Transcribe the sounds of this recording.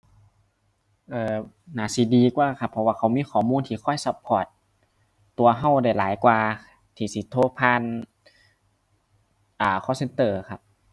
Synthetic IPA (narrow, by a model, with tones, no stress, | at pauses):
ʔɤː˧ | naː˨˦si˧˦diː˧kwaː˧˨kʰa˧˩pʰːɔ˧waː˧˩kʰaː˧˩wmiː˧˥˨kʰɔː˧˩muː˧˥˨nt̪ʰiː˧˨kʰɔ˧˥˨jsa˧˦pʰːɔː˧˩t̪̚ː | u˧ɐɦa˧˩wda˧˩jlaː˨˦jkwaː˧ | t̪ʰiː˧˩si˧˦t̪ʰoː˧pʰaː˧n | ʔaː˨˩kʰɔː˧˥˨se˧nt̪ɤː˧˩kʰa˧p̚